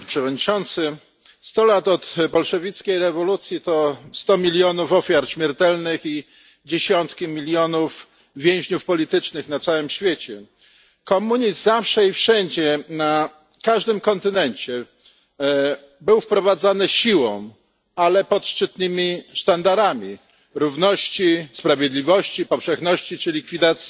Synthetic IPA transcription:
pʂɛvɔd̪ɲit͡ʂɔnt̪sɘ | st̪ɔlat̪ɔt̪pɔlʂɛvʲit̪skʲejɾɛvɔlut̪sʲjit̪ɔst̪ɔmʲilʲjɔnufɔfʲjaɾɕmʲjɛɾt̪ɛlnɘxi | d͡ʑeɕɔnt̪kʲimʲilʲjɔnuf | vʲjẽw̃ʑɲufpɔlʲit̪ɘt͡ʂnɘxnat̪sawɘmɕfʲjet͡ɕɛ | kɔmuɲist̪zafʂɛifʂɛɲd͡ʑɛna | kaʐd̪ɘmkɔnt̪ɘnɛɲt͡ɕɛ | bɘwfpɾɔvad̪zanɘɕiwɔ̰̃w̃ | alɛpɔt̪ʂt͡ʂɘt̪nɘmʲist̪and̪aɾamʲi | ɾuvnɔɕt͡ɕispɾavʲjed̪lʲivɔɕt͡ɕipɔfʂɛxnɔɕt͡ɕit͡ʂɘlʲikfʲid̪at̪sʲji

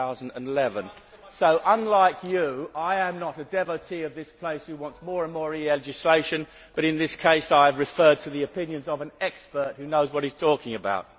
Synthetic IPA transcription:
aʊz̃n̩də̃nɪlɛvə̃n | soʊʔʌ̃nlaɪkʰjɨaɪɨ̃mnəɾɨdɛvəʊtʰiʌvðɪspʰl̥eɪshʉwɑ̃ntsmɔɹə̃nmɔɹiɛd͡ʒɨsleɪʃɨ̃n | b̥ʌɾɨ̃nðɪskʰeɪsaɪɨvɹɨfɜ˞d̚tʰɨðiɨpɪ̃njɨ̃nzʌvɨ̃nɛkspə˞t̚hʉnoʊzwʌɾiz̥tʰɔkɪ̃ŋɨbaʊt̚

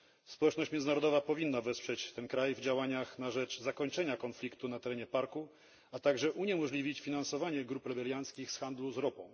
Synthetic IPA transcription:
spɔwɛt͡ʂnɔɕt͡ɕmʲɛnɨnaɾɔd̪ɔvapɔvʲinːavɛspʂɛt͡ɕt̪ɛnkɾajvd͡ʑawaɲaxnaʐɛt͡ʂzakɔɲt͡ʂɛɲakɔnflʲikt̪unat̪ɛɾɛɲɛpaɾku | at̪aɡʐɛʔuɲɛmɔʐlʲivʲit͡ɕfʲinansɔvaɲɛɡɾupɾɛbɛlʲjant̪skʲixsxand̪luzɾɔpɔ̃w̃

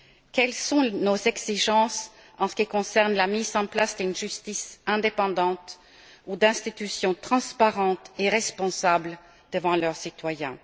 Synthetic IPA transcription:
kɛlsɔ̃nozɛɡz̥iʒɑ̃s | ɑ̃sə̥kʲikɔ̃sɛʁnlamizɑ̃plasd̪ynʒyst̪isɛ̃d̪epɑ̃d̪ɑ̃t̪ | ud̪ɛ̃st̪it̪ysjɔ̃t̪χɑ̃spaʁɑ̃t̪eʁɛspɔ̃sabl | d̪̥əvɑ̃lœʁsit̪wajɛ̰̃

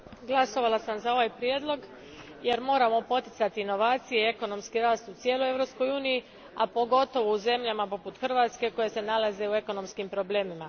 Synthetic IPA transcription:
ɡlˠaso̞ʋalˠasamzao̞ʋajpɾjeːd̪lˠo̞ɡ | jeɾmo̞ːɾamo̞po̞t̪i̥t̪sat̪iino̞ʋaːt̪sije̞ie̞ko̞no̞mskiɾaːst̪ut̪sje̞ːloje̞ʋɾo̞psko̞juːniji | apo̞ɡo̞t̪o̞ʋouze̞mʎamapo̞put̪xr̩ʋaːt̪ske̞ko̞je̞se̞nalaze̞ue̞ko̞no̞mskimpɾo̞ble̞ːmima

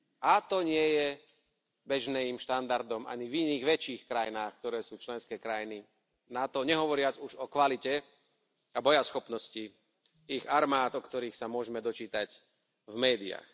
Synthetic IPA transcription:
at̪ɔɲɪɛjɛ | bɛʒnɛimʃt̪and̪aɾd̪ɔma̰ɲiviniːɣʋɛt͡ʃiːxkɾajinaːxk̚t̪ɔɾɛːsuːt͡ʃlɛnskɛːkɾajini | nat̪ɔɲɛɦɔʋɔɾɪad͡zuʒɔkʋalicɛ | abɔjasxɔpnɔsci | iɣaɾmaːt̪ɔkt̪ɔɾiːxsamʊɔʒɛmɛd̪ɔt͡ʃiːt̪ac | vmɛːd̪ia̰x

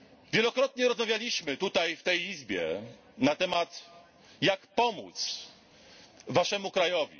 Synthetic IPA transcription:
vʲjɛlɔkɾɔt̪ɲɛɾɔzmavʲjalʲiɕmɘt̪ut̪ajft̪ɛjizbʲjɛ̰ | nat̪ɛmat̪ | jakpɔmṵt̪s | vaʂɛmukɾajɔvʲḭ

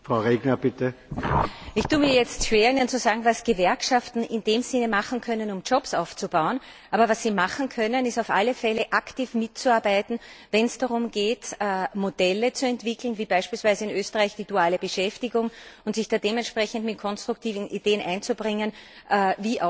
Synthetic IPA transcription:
fʁaʊʁeːɡnɐb̥ɪtə | ʔɪçtuːmiːɐjɛt͡stʃv̥eːɐɪnənt͡suzaːɡŋ̩vasɡ̥əvɛɐkʃaftn̩ʔɪnd̥eːmz̥ɪnəmaχn̩kʰœnənʊmd͡ʒɔpsaʊft͡subaʊən | ʔaːbɐvasːiːmaχn̩kʰœnənɪstaʊfʔalːəfɛləʔaktiːfmɪtt͡suaɐbaɪtn̩vɛnsd̥aʁʊmɡeːtːmod̥ɛlət͡suɛntv̥ɪkl̩n̩viːbaɪʃpiːlsv̥æɪzəɪnøːstəʁaɪçd̥iːduaːləbəʃɛftɪɡʊŋʊntz̥ɪçd̥aːdeːmɛntʃpʁɛçən̩dmɪt̚kʰɔnstʁ̥ʊktʰiːvn̩ideːənʔaɪnt͡subʁɪŋənʔviːʔa

